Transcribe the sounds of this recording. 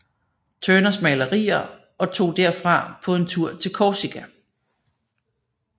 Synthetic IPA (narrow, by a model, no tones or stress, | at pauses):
t͡sʰøːnɐsmɛɪləʁḭːɐ | ɒ̽t͡sʰo̝̰ːd̥æɐ̰fʁɑ̈pʰɒ̽e̝nt͡sʰuɐ̰t͡sʰe̝lkʰɒːsiɡ̥ʰæ